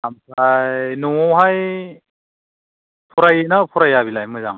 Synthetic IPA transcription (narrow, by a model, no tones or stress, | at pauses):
amsʰajjnuŋɔwɦaj | pʰɔɾajnapʰɔɾajaβilajmɯza̰ŋ